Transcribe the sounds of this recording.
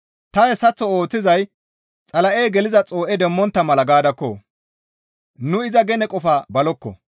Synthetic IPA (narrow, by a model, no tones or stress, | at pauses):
t̪ɐhɛsːɐt͡sːɔoːt͡sːɪzɐj | t͡sʼɐlɐʔeːɡɛlɪzɐt͡sʼo̞ːʔɛd̪ɛmːɔnt̪ːɐmɐlɐɡaːd̪ɐkːɔ̰ | nʊɪzɐɡɛnɛkʼɔfabɐlɔkːɔ̰